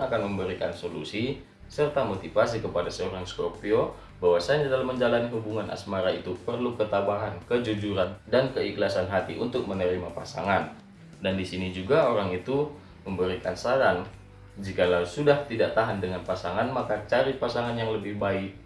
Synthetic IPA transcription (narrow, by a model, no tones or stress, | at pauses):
akanməmbəɾikansolusi | sərt̪amot̪ifasikəpadasəoɾaŋskopio | bawasaɲadalamːəɲd͡ʒalaniɦubuŋanʔa̰smaɾait̪upərlukət̪abaɦankəd͡ʒud͡ʒuɾandankəiklasanɦat̪iʔunt̪ʊk̚mənəɾimapasa̰ŋan | dandisinid͡ʒuɡaoɾaŋit̪u | məmbəɾikansaɾan | d͡ʒikalausudaht̪idaʔt̪aɦandəŋanpasaŋanmakat͡ʃaɾipasaŋanjaŋləbɪhbaɪk̚